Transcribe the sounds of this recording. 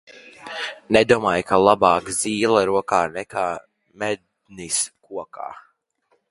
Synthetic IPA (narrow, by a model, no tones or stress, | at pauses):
nɛd̪uɔmaːjkʰalˠabaːkz̥iːlˠaɾuɔkaːnɛkʰaː | mɛd̪̚ | niskuɔkʰa̰ː